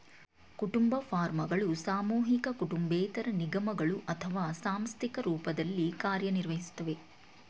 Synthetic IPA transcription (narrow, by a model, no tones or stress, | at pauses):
kuʈumbɐpʰaːɾmɐɡɐɭusaːmuːɦikɐkuʈumbɛːt̪ɐɾɐniɡɐmɐɡɐɭuʔɐt̪ʰɐʋaːsaːmst̪ʰikɐɾuːpɐd̪ɐlːikaːɾjɐniɾʋɐɦisu̥t̪ːɐʋe̞